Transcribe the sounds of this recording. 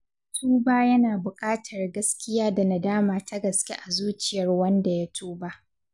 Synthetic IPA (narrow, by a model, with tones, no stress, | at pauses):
tʰuː˦baː˦jɐ˦naː˨bʊ˨kʼaː˦tʰɐ˨rɡɐ˦skʲɪ˦jaː˦da˨na˨daː˦maː˨tʰɐ˦ɡɐ˨skʲe˦ʔa˨zuː˦t͡ʃɪ˨jɐ˨rwɐ˦nda˨ja˦tʰuː˦ba˦ʔ